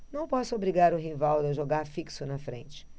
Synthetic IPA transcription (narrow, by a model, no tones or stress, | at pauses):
nɐ̃w̃pɔsʊobɾiɡaɾʊɦivawd̪ɐʒoɡaɾfiksʊnɐfɾẽnt͡ʃɪ̥